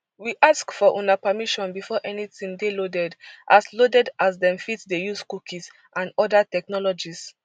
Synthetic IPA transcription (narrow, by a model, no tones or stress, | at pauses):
wiʔaskfɔʔũnapamiʃɔ̃nbifɔʔɛnitĩmdelodɛdʔaslodɛdaz̬dɛ̃mfitdejuskukiz | ʔãnɔdatɛk̚nɔlɔd͡ʒis